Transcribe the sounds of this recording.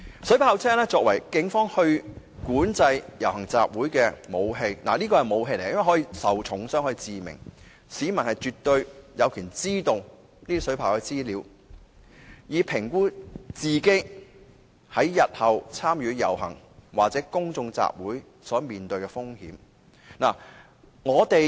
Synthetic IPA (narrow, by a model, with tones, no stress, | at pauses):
sɵ˨˥pʰaː˧wt͡sʰɛː˥ŋlɛː˥t͡sɔː˧k̚wɐ˨˩jkɪ˨˥ŋfɔː˥ŋhɵ˧ɥ | kuː˨˥nt͡sɐ˧jjɐ˨˩whɐ˨˩ŋt͡sa̰ː˨p̚wuː˨˥jkɛː˧mo˨˧wɦe˧jna̰ː˨˩niː˥kɔː˧hɐ˨jmo˨˧wɦe˧jle˨˩˨hɔː˨˥iː˧sɐ˨wt͡ʃʰʊ˨˥ŋsœː˥ŋhɔː˨˧˥iː˧t͡siː˨mɪ̰˨˩ŋ | siː˨˧mɐ˨˩nhɐ˨jt͡ʃyː˨t̪ɵ˧ɥjɐ˨˧wkʰyː˨˩nt͡siː˥t̪ʊ˨ŋ | niː˥d̪i˥sɵ˨˥pʰaː˨˩wkɛ˧t͡siː˥liː˨˧w | jiː˨˧pʰɪ˨˩ŋkuː˥t͡siː˨ke˥ | hɐ˨˥jːɐ˨t̚hɐ˨wt͡sʰaː˥mjyː˨˧jɐ̰˨˩wɦɐ˨˩ŋ | waː˨k̚t͡sɛː˨˥kʊ˥ŋt͡sʊ˧ŋt͡sa̰ː˧p̚wuː˨˥j | sɔː˨˥miː˨nt̪ɵ˧ɥkɛː˧fʊ˥ŋhiː˨˥m | naː˨˩ | ŋɔː˨˧t̪e˨j